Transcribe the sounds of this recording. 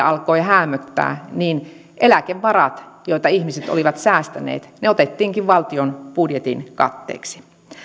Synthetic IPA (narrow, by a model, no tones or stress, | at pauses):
ɑlkoiɦæːmːøt̪ːæ̰ːniːn | ʔelækeʋːɑrɑt̪joit̪ɑihmiset̪o̰liʋɑt̪sæːst̪ænḛːt̪neot̪et̪ːiːŋkiʋʋɑlt̪ionpudjet̪inkɑ̰t̪ːḛːksi̥